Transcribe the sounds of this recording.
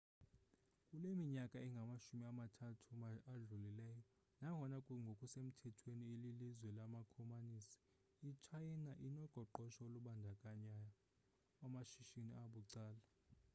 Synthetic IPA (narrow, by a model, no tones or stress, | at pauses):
kʼulemiɲakʼaɛŋɡʱamaʃumiamatʰatʰuaɮulilɛːjɔ | naŋʱɔnakʼuŋɡʱokʼusem̩tʰɛtʰwenielilizwɛlamakʰɔmaniːsi̥ | it͡ʃʰajnaʔinɔɡ͡ǃ̥ʱɔǃɔʃɔoluɓandʱakʼaɲa | amaʃiʃiniaɓuǀaːla